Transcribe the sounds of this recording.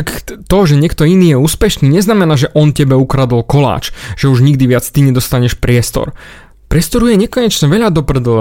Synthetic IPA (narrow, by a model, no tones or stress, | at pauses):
akt̪ɔʒɛɲɪɛkt̪ɔiniːjɛuːspɛʃniːɲɛznamɛnaːʒɛʔɔncɛbɛukɾad̪ɔlkɔla̰ːt͡ʃʒ̥ɛuʒɲiɡd̪iʋɪat͡st̪iɲɛd̪ɔst̪aɲɛʃpɾɪɛst̪ɔ̰ɾ | pɾɪɛst̪ɔɾujɛɲɛkɔɲɛt͡ʃɲɛʋɛʎad̪ɔpɾɛd̪ɔl